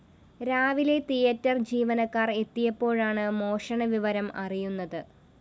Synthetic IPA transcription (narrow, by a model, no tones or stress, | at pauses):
ɾaːʋile̞t̪ijɐtːɐrd͡ʑiːʋɐnɐkːaːre̞t̪ːijɐpːo̞ːɻaːɳɨmo̞ːʂɐɳɐʋiʋɐɾɐmɐrijunːɐðɨ